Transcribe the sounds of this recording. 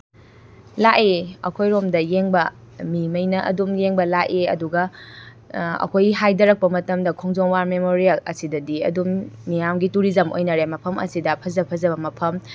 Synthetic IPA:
laʔeɐ̰kʰojɾomdɐjeŋbɐ | mimɐjnɐʔɐ̰dumjeŋbɐlaʔʔeɐ̰duɡɐ | ɐ̰kʰojɡiɦajdɐɾɐk̚pɐmɐtɐmdɐkʰoŋzoŋwaɾmemoɾijɐlɐ̰sidɐdiɐ̰dumːijamɡituɾizɐmo̰jnɐɾemɐpʰɐmɐ̰sidɐpʰɐzɐpʰɐzɐbɐmɐpʰɐm

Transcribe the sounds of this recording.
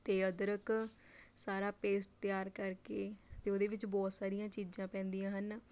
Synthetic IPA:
t̪eːəd̪əɾək | saːɾaːpeːsʈ̚t̪jaːɾkəɾkeːt̪eːoːd̪eːʋɪt͡ʃbɔːt̪saːɾijãːt͡ʃiːd͡ʒãːpɛ̃ːnd̪ijãːɦən

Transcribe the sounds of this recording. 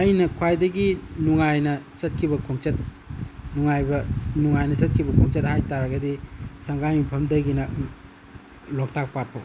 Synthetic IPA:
ajnɐkʰwajdɐɡinuŋajnɐt͡ʃɐt̚kʰibɐkʰoŋt͡ʃɐt̚ | nuŋajbɐnuŋajnɐt͡ʃɐt̚kʰibɐkʰɔŋt͡ʃɐt̚hajtaɾɐɡɐdisɐŋɡajmipʰɐmdɐɡinɐ | lok̚tak̚pat̚pʰo̰

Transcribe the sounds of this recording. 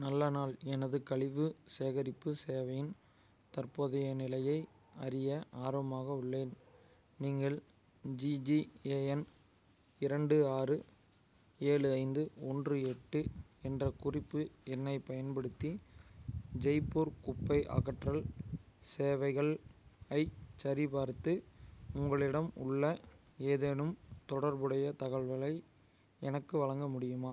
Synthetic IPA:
nɐlːɐnaːlɛnɐðɯkɐɭɪʋɯseːɣɐɾɪpːɯseːʋɐjɪn | t̪ɐrpoːðɐjɐnɪlɐjɐɪ | ɐɾɪjɐʔaːɾʋɐmaːɣɐɯɭːeːn | niːŋɡɐɭ | d͡ʒid͡ʒieːɛn | ɪɾɐɳɖɯaːrɯ | eːɭɯɐɪnd̪ɯɔndrɯɛʈːɯɛndrɐkʊrɪpːɯɛnːɐɪpɐjɐnbɐɽɯt̪ːi | d͡ʒɐɪpːuɾkʊpːɐɪʔɐ̰ɣɐʈrɐɭseːʋɐɪɣɐɭɐɪt͡ʃːɐɾibaːɾt̪ːɯʊŋɡɐɭɪɽɐmʊ̰ɭːɐ | eːðeːnɯmt̪ɔɽɐɾbɯɽɐjɐt̪ɐɣɐɭʋɐɭɐɪ | ɛnɐkːɯʋɐɭɐŋɡɐmʊɽɪjɯmaː

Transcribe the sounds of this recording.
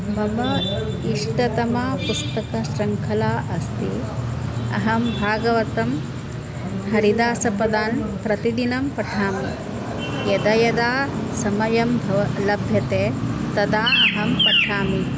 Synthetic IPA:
mɐmɐ | iʂʈɐt̪ɐmɐpust̪ɐkɐʃɾɐŋkʰɐlaːʔɐst̪i | ɐ̰ɦɐmbʱaːɡɐʋɐt̪ɐm | hɐɾid̪aːsɐpɐd̪aːnpɾɐt̪id̪inɐmpɐʈʰaːmi | jɐd̪ɐjɐd̪aːsɐmɐjɐmbʱɐʋɐlɐbʱjɐt̪eːt̪ɐd̪aːʔɐɦɐmpɐʈʰaːmi

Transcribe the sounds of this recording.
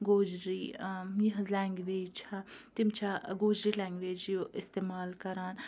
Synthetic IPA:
ɡoːd͡ʒɾijiɦɐ̃zlɛːŋɡʋeːd͡ʒt͡ʃʰat̪imt͡ʃʰaɡoːd͡ʒɾilɛːŋɡʋeːd͡ʒjoɪst̪eːmaːlkɐɾaːn

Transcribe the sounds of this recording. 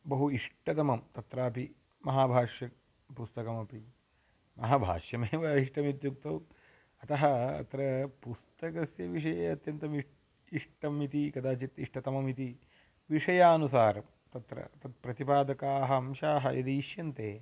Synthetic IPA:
bɐɦuiʂʈɐt̪ɐmɐmt̪ɐt̪ɾaːpi | mɐɦaːbʱaːʂjɐ | pust̪ɐkɐmɐpi | mɐɦaːbʱa̰ːʂjɐmeːʋɐiʂʈɐmit̪juk̚t̪ɐw | ɐt̪ɐɦɐɐ̰t̪ɾɐpust̪ɐkɐsjɐʋiʂɐjeɐt̪jɐnt̪ɐmi | iʂʈɐmit̪ikɐd̪aːt͡ʃit̪iʂʈɐt̪ɐmɐmit̪i | ʋiʂɐjaːnusaːɾɐm | t̪ɐt̪ɾɐ̰ɐt̪ɐt̪̚pɾɐt̪ipaːd̪ɐkaːɦɐmʃaːɦɐ̰jɐd̪iːʃjɐnt̪eː

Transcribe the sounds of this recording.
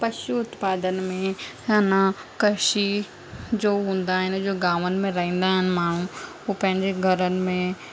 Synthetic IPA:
pɐʃuʊt̪paːd̪ənmẽ | ɐnãkɐʃi | d͡ʒoːɦũːnd̪aɦɛnd͡ʒoːɡaːʋənmẽɾɐɦĩːn̆d̪aɦɛnɪ̆maːɳ̤ũ | opɐ̃ɦɪ̃ɲd͡ʑeɡʱɐɾənɪmẽ

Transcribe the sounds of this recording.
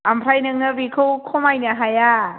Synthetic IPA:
ʔampʰɾajnɯŋnɯbikʰɯwkʰomajniaɦaja

